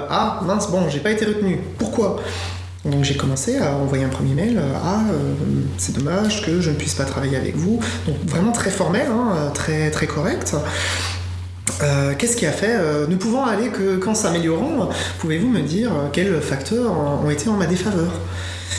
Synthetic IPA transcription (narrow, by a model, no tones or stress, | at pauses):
amɛ̃sbɔ̃ʒepaet̪eʁət̪nypuʁkwa | d̪ɔ̃kʒekɔmɑ̃seaɑ̃vwajeɛ̃pχəmjemɛløaøsɛd̪ɔmaʒkəʒənəpɥispat̪χavajeavɛ̰kvu | d̪ɔ̃kvʁɛmɑ̃t̪χɛfɔʁmɛlɛ̃øt̪χɛt̪χɛkʰɔʁɛkt̪ | økʲɛskʲiafɛønəpuvɑ̃alekʰəkɑ̃sameljɔʁɑ̃puvevuməd̪iʁøkʲɛlfakt̪ʰœʁɔ̃ɔ̰̃et̪ʰeɑ̃mad̪efavœːʁ